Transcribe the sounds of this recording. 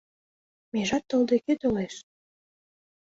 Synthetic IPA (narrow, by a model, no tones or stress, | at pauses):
meʒɑt̪ːɤ̆ld̪eket̪oleʃ